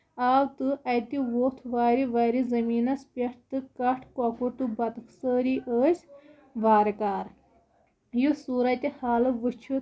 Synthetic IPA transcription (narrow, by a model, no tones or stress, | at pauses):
aːʋt̪ɨʔɐt̪iʋoːt̪ʰʋaːɾiʋaːɾizɐmiːnɐspʲɐʈʰt̪ɨkɐʈʰkwɐkuɾt̪ubɐt̪ɨksəːɾiʔəːsʲ | ʋaːɾkaːɾ | jusuːɾɐt̪ʲhaːlɨʋɨt͡ʃʰu